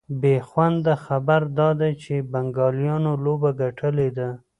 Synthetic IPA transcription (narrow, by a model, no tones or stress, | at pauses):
bexwand̪əxabaɾd̪ɑd̪at͡ʃebaŋɡɑljɑnolobaɡaʈʰəled̪a